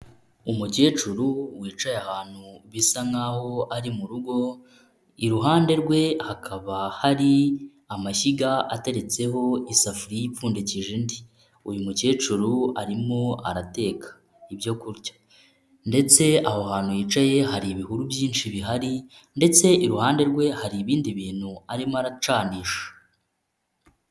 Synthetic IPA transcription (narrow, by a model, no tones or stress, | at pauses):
umuce̞ːt͡ʃuɾuwiːt͡ʃajahaːn̥huβisaŋaho̞aɾimuɾuɡo̞ | iɾuɦaːnde̞ɾɡwe̞hakʰaβahaɾi | amaçiɡaa̰te̞ɾe̞t͡se̞ho̞isafuɾijifuːndeciʒindi | ujumuce̞ːt͡ʃuɾuaɾimoa̰ɾate̞ːkʰḁ | ibjo̞kuɾɟḁ | nde̞t͡se̞aho̞haːnhujiːt͡ʃaje̞haɾiːβihuɾubjiːnʃiβiɦaɾi | nde̞t͡se̞ʔiɾuhaːnde̞ɾɡwe̞haɾiːβiːndiβiːnhuaɾimoaɾat͡ʃaːniːʃḁ